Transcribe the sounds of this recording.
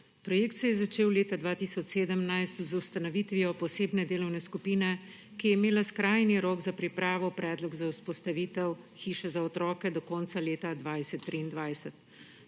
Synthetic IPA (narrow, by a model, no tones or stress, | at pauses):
pɾɔjeːk̚t̪sɛjɛzat͡ʃeːwleːt̪ad̪ʋaːt̪isɔt͡ʃseːd̪əmnajst̪zust̪anɔʋit̪ʋiɔpɔseːbnɛd̪eːlɔwnɛskupiːnɛ | kijɛimeːlaskɾajniɾoːɡzapɾipɾaːʋɔpɾɛːd̪lɔɡzawspɔst̪aʋiːt̪ɛw | xiːʃɛzaɔt̪ɾɔːkɛd̪ɔkɔntsaleːt̪ad̪ʋajsɛt̪ːɾiːnd̪ʋajsɛt̪̚